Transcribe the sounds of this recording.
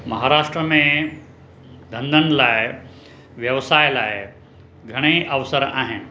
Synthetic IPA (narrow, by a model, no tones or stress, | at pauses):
mɐɦaːɾaːʃʈɾəmẽ | d̪ʱɐ̃nd̪ʱənɪ̆laːɪ | ʋjɐʋsaːɪlaːɪ | ɡʱɐɽ̃eʔɐʋəsəɾa̰ːɦɪnɪ̆